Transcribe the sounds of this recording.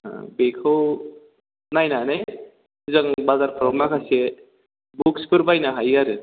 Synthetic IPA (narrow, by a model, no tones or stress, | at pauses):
a̰bekʰaw | najnanaj | zaŋbazaɾpʰɔɾɔmakʰase | buk̚spʰɯɾbajnaɦajaɾɯ